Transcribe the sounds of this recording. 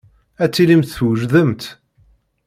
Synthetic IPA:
æt͡sːilimt̪θwəʒðəmt̪

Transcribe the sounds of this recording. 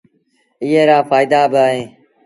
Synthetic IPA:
ɪːɦeːɾaːfaːɪd̪aːbɪaːɦẽː

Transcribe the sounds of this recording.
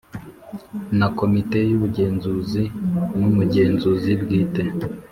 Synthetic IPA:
nako̞mite̞juβuɟe̞ːnzuzimumuɟe̞ːnzuzibɡiːte

